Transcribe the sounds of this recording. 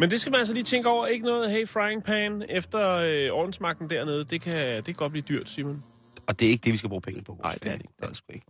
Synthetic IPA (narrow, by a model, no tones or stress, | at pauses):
mend̥e̝sɡ̥æmænæls̬əliːt͡sʰeŋɡ̥əɒʊ̰ɐe̝ɡ̥ənɔ̽ːð̞̩ˠɦeɪfʁɑ̈ɪeŋpʰɛnefd̥ɐøɒːd̥n̩smɑ̈ɡ̥̚d̥n̩d̥æɐne̝ð̞̩ˠd̥e̝kʰæd̥e̝kʰæɡ̥ɒd̚b̥liːd̥yɐ̰d̥siɐmæn | ɒd̥e̝æɐe̝ɡ̥d̥e̝ʋisɡ̥æb̥ʁṵːpʰeŋəpʰɒʋɒ̰ɑ̈ɪ̰d̥eɐ̰de̥d̥sɡ̥ueɡ̥